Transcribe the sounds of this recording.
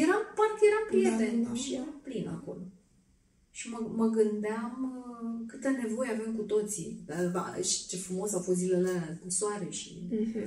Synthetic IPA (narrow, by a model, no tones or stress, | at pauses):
jeɾampart̪je̞ɾampɾijet̪enʃijeɾamplina̰ko̞̰lo | ʃiməməɡɨnd̪eamkɨt̪ene̞vo̞jeavemkut̪o̞t̪sḭaa̰ʃi̥t͡ʃefɾumo̞sawfo̞st̪zilelakuswaɾe̞ʃḭ